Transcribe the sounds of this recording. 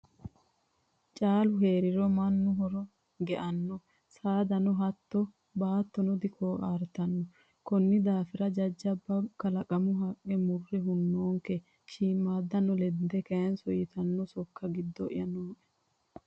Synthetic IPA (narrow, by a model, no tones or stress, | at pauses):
t͡ʃʼaːlʊheːɾɪɾɔmɐnːʊɦɔɾɔ | ɡɛʔɐnːɔ | saːd̪ɐnɔɦɐt̪ːɔ | baːt̪ːɔnɔd̪ɪkʰoːʔaːɾt̪ɐnːɔ | kɔnːɪd̪aːfɪɾɐd͡ʒɐd͡ʒːɐbːɐkːɐlɐkʼɐmʊɦɐkʼːɛmʊrːɛɦʊnːoːŋkɛ | t͡ʃiːmːaːd̪ːɐnːɔlɛd̪ɛkɐjɐnsɔjɪt̪ɐnːɔsɔkːɐɡɪd̪ːɔʔɪ̰jɐnoːʔɛ̥